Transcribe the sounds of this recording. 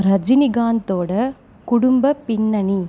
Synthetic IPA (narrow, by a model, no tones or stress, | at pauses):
ɾɐd͡ʒɪnɪɡaːnt̪oːɽɐ | kʊɽʊmbɐpɪnːɐɳi